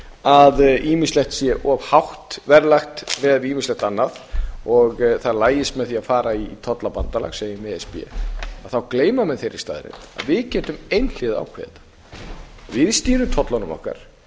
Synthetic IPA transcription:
aðiːmislɛht̪sjɛʔɔvhawht̪vɛɾlaxt̪vɛðiːmislɛht̪anːaðɔɣθaðlaːjɪst̪mɛðθiaðfaːɾait̪ʰɔt̪lapant̪ala̰ɣseːjɪmɛɛspiɛ̰aðθawkleːjmamɛðθejɾɪ̥st̪a̰ːðɾɪ̰na̰ðvɪðcɛːt̪ʏmejnl̥ɪːða̰wkʰvɛ̰ðt̪ḁ | vɪðst̪iːɾʏmt̪ʰɔt̪lanʏmɔ̰hka̰ɾ̥

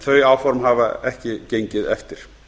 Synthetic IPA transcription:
θœɥjaːwfɔɾmɦaːvaɛhcɪcejɲcɪðɛ̰ft̪ɪɾ̥

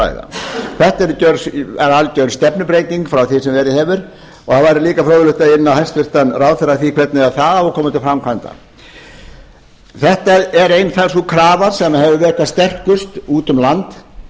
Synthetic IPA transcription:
a̰ːjða̰θɛht̪aɛɾʏc̪œɾsɛɾalc̪œɾst̪ɛpnʏpɾejt̪iŋkfɾawθɪsɛmvɛɾɪhɛːvʏɾ̥ | ɔhaðvaːɾɪɾliːkafɾɔːwðʏlʏht̪aɪnːawhɛst̪vɪr̥t̪anraːwθɛraθikʰvɛt̪nɪaθaðaɔkʰɔːmʏt̪ʰɪlfɾamkʰvant̪a̰ | θɛht̪aɛɾejnfɛlsukʰɾaːvaɾ̥sɛmahɦɛvðʏvɛɾ̥kʰast̪ɛr̥kʏst̪uːt̪ʏmlant̪

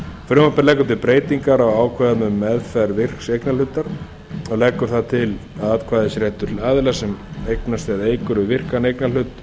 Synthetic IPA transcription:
fɾʏmapɛɾlɛːkːʏɾt̪ʰɪlpɾeːjt̪iŋkaɾawaːwkʰvɛðamʏmːɛðfɛɾvɪr̥ksejknalʏt̪ːaɾ | ɔɣlɛːkːʏɾ̥θat̪ʰɪlaðat̪kʰvaːðɪsɾɛːht̪ʏaðɪlasɛmejknast̪ɪaðejkʏɾʏvɪr̥kanejknalʏt̪

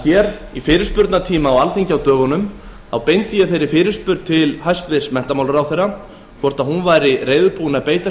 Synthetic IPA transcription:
ɛːɾifɪːɾɪ̥spʏɾt̪nat̪ʰiːmawalθiɲcawt̪œːɣɔnʏm | θawpejnt̪ɪjɛθejɾɪfɪːɾɪ̥spʏɾt̪̚t̪ʰɪlhajst̪vɪsmɛn̥t̪amaːwlʏɾawθejɾːa | kʰvɔr̥t̪aðɦunvaːjɾɪreːjðʏpuːnaðpeːjt̪a

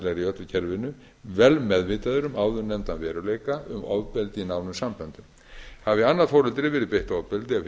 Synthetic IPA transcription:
lɛɣɾiœt̪lʏcʰɛɾvɪnːʏ | vɛlmɛðvɪːt̪aðʏɾʏmaːwðʏnɛmt̪anvɛːɾʏleːjkaʏmɔ̰ðpɪlt̪ɪinawnʏmsampœnt̪ʏm | havɪanːaðfowɾɛlt̪ɾɪvɛːɾɪðpejht̪ɔðpɪlt̪ɪa

